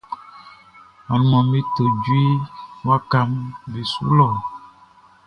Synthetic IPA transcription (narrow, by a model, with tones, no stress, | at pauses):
a˨nu˨mɔ̃˨mi˦t̪e˨d͡ʒu˦i˦mũ˦a˦ka˦mvi˨sṵ˦lɔ˨